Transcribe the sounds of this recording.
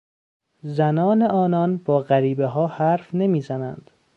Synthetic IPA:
zænɒːneʔɒːnɒnbɒːɣæɾiːbeɦɒːhæɾfne̞miːzænæ̰nd̪̥

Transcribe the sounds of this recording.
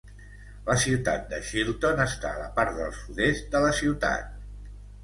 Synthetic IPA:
ləsiwt̪a̰t̪̚d̪əʃilˠt̪onəst̪a̰ːləpaɾt̪d̪əlˠsuðezd̪ələsiwt̪a̰t̪̚

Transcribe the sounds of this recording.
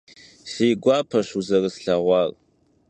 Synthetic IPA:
siːɡʷɑːpʰɐɕuzɐrɨsɬɐʁʷɑːr

